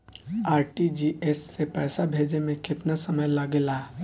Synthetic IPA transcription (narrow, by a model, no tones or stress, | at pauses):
aːɾʈid͡ʒiːʔesːepɛːsabʱeːd͡ʒemẽkɪt̪nasɐməjlaɡelaː